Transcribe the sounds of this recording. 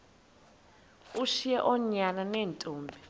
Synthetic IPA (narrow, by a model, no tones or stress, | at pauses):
uʃijɛʔɔɲananeːntʼuːmbʱɛ